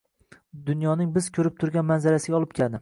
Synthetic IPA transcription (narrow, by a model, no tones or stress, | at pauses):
d̪ʊnjɒnɪŋbɪz̥kʲʰɵɾɪp̚t̪ʰʊɾɡʲanmanzaɾasɪɡʲɒlˠɪp̚kʲʰeld̪ɪ